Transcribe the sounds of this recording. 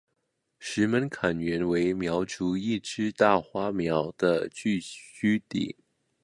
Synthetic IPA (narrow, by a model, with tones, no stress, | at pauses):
ʂɻ̩˧˥mə˧˥nkʰa˨˩nɥɛ˧˥nwe˧˥ɪmjɑ˧˥ʊʈ͡ʂu˧˥i˥˩ʈ͡ʂɻ̩˥t̪a˥˩xwa˥mjɑ˧˥ʊd̪̥ə˧t͡ɕy˥˩ɕy˥t̪ḭ˨˩˦